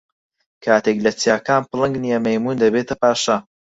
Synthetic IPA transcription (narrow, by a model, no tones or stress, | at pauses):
kʰaːt̪eklɐt͡sjaːkaːnpɨlˠɨŋɡnijɐmɐjmuːnd̪ɐbeːt̪ʰɐpaːʃɐ